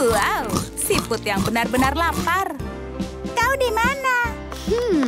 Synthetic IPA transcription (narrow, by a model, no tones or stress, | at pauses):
awsipʊt̪jaŋbənarbənarlapar | kawdimana | h̩